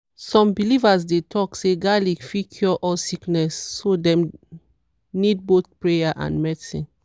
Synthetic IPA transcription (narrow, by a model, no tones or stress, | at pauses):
sɔ̃mbilivasdetʰɔkseɡalifikʰjɔʔɔsiknɛsːodɛ̃m | nid̚boθpɹejaʔã̰ndmɛsḭ̃